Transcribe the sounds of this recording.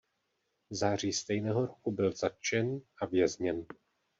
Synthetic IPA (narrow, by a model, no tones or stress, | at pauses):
zaːr̝iːst̪ɛjnɛːɦo̞ɾokubɪlzat̪t͡ʃɛnʔavjɛzɲɛn